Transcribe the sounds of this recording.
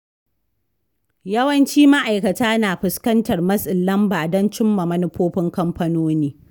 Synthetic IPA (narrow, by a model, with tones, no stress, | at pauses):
jɐ˦wɐ˦nt͡ʃiː˦ma˦ʔa˨jkɐ˨taː˦naː˨ɸɪ˨skɐ˦ntɐ˨rmɐ˦sʼɪ˨lːɐ˦mbaː˨dɔ˦nt͡ʃɪ˦mːɐ˨mɐ˦nʊ˦ɸoː˦ɸɪ˦ŋkɐ˦mpɐ˦noː˦niː˦